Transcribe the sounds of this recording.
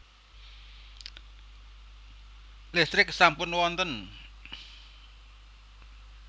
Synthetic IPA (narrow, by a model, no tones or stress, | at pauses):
lɛst̪ɾɪksampʊnwɔnt̪ən